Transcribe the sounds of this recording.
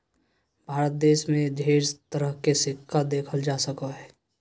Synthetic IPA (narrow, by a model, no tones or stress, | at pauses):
bʱaːɾət̪̚d̪eːʃmẽd͡ʒʱeːɾt̪əɾəɦkesɪkʰːad̪eːkʰəld͡ʒaːsəkaɦɛː